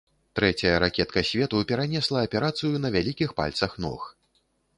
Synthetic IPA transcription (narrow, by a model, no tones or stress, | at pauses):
t̪ɾɛt͡sʲɐjɐɾakʲɛt̪kɐsʲvʲɛt̪upʲɛɾanʲɛslˠɐːpʲɛɾat̪sɨjunɐvʲalʲikʲixpa̰lʲt̪sɐxnɔ̰x